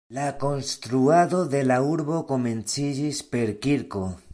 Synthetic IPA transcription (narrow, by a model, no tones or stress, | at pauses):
lako̞nst̪ɾuado̞de̞lauɾbo̞ko̞me̞nt͡sid͡ʒispe̞ɾkiɾko̞